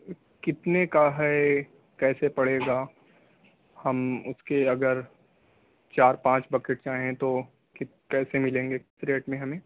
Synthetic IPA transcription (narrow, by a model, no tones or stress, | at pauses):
kɪt̪nekaɦɛe | kɛːsepɐɽeːɡaː | hɐmʊskeɐɡəɾ | t͡ʃaːɾpãːt͡ʃbɐkeʈ̚t͡ʃaːɦẽt̪o | kɪ | kɛːsemɪlẽːŋɡesɾeːʈmẽɦɐmẽː